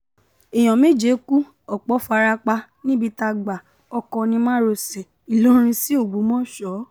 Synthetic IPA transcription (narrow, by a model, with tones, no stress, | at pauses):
e˨j̃ɔ̃˨mẽ˦d͡ʒe˨˦ku˦ | ɔ˨k͡pɔ˨˦fa˧ɾa˧k͡pa˧ | nĩ˦bi˧ta˧ɡ͡ba˨ | ɔ˧kɔ̃˧nĩ˧mã˦ɾo˧se˨ | i˨lo˦ɾ̃ĩ˧si˦o˦˨ɡ͡bo˨˦mɔ̃˦ʃɔ˨˦